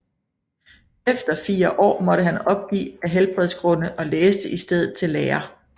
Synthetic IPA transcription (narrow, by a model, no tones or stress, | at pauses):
efd̥ɐfiːɐʔɒ̰ːmɒ̽ɾəɦænɒ̽b̥̚ɡ̥ḭːæɦelb̥ʁɛð̞ˠsɡ̥ʁɔ̽nəʔɒ̽leːsd̥əʔisd̥eð̞̰ˠð̩ˠt͡sʰe̝lːeːɐ